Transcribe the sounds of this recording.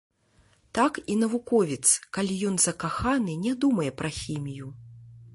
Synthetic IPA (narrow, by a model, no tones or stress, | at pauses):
t̪akinɐvukɔvʲit̪skalʲijɔnzɐkaxanɨnʲɛd̪umɐjɛpɾɐxʲimʲiju